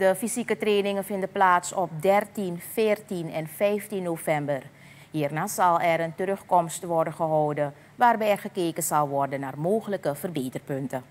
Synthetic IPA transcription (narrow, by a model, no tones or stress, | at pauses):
d̥əfizikətreːnɪŋənfɪndəplaːtsɔp̚dɛrtinfɪːrtinɛnfɛjftinːoːvɛmbər | ɦiːrnaːsɑlˠɛɾəntəɾøxkɔmstʋɔrdənχəɦɔwdə | ʋaːrbɛjɛrχəkeːkənzɑlˠʋɔrdənːaːrmoːxələkəvərbeːtərpøntə